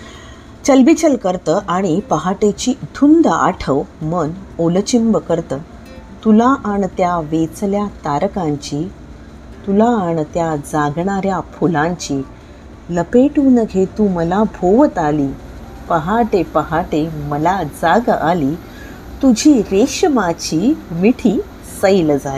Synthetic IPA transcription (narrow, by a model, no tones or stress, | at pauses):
t͡ɕəlbit͡ɕəlkəɾt̪əʔaɽ̃ipəɦaʈet͡ɕiːd̪ʱund̪a̰ʈʰəʋmənolt͡ɕimbəkəɾt̪əː | t̪ulaʔaɳt̪jaʋet͡sljat̪aɾkãɲt͡ɕiː | t̪ulaːɳt̪jad͡zaɡɳaɾjapʰulãɲt͡ɕiː | ləpeʈuːnəɡʱet̪uːməlabʱoʋət̪aliː | pəɦaʈepəɦaʈeməlad͡zaɡaliː | t̪ud͡ʑʱiːɾeɕəmat͡ɕiːmiʈʰiː | səjld͡za